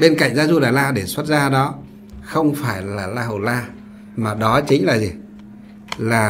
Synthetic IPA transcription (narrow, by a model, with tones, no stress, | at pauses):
ɓe˧nka̰˧˨jŋ̟zaː˨˦zu˧ɗaː˨˩jlaː˧ɗe˧˩swə˦˥t̚zaː˧ɗɔ˨˦ | xə˧wŋ͡mfaː˧˩jlaː˨˩laː˧ɦə˨˩laː˧ | maː˨˩ɗɔ˨˦t͡ɕï˨˦ŋ̟laː˨˩zi˨˩ | laː˨˩